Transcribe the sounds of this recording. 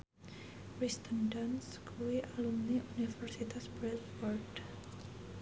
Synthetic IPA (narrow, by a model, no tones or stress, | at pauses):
wist̪əndanskuiʔalumniʔunifɛrsit̪asbɾɛt̪fɔrd